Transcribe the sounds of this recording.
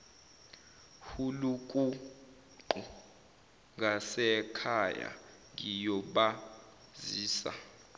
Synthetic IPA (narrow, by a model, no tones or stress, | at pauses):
hulukʼu | ǃu | ŋɡʱasɛkʰaja̰ŋijɔɓa | ziːsa̰